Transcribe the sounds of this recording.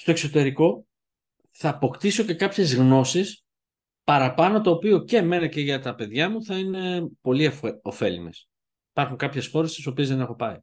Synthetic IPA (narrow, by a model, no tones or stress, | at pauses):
st̪o̞e̞kso̞t̪e̞ɾiko̞ | θɐːpo̞kt̪iso̞ce̞kɐpçe̞zɣno̞sis | pɐɾɐpɐno̞t̪o̞ːpio̞ce̞me̞nɐce̞ʝɐt̪ɐpe̞ðʝɐmuθɐine̞po̞lifo̞fe̞lḭme̞s | i̥pɐɾxuŋkɐpçe̞sxo̞ɾest̪i̥so̞pie̞zðe̞ne̞xo̞pɐi